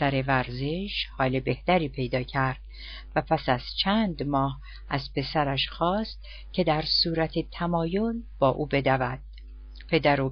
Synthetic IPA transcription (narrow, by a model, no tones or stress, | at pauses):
æɾe̞væɾze̞ʃhɒːlebe̞ht̪æɾiːpʰe̞jd̪ɒːcʰæɾd̪̥̚ | væpʰæsæz̥t͡ʃʰæːnd̪mɒːh | ʔæzpʰe̞sæɾæʃxɒːst̪̚ | cʲʰe̞d̪æɾsuːɾæt̪ʰet̪ʰæmɒːjo̞lb̥ɒːʔuːbe̞d̪ævæd̪̥̚ | pʰe̞d̪æɾo